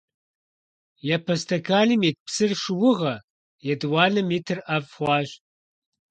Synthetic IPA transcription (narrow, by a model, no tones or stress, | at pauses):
jɐpʰɐstʰɐkʰaːlimiːt̚psɨrʂɨwʊʁɐ | jɛdwɑːlɐmiːtʰɨrɐvχʷɑːʒ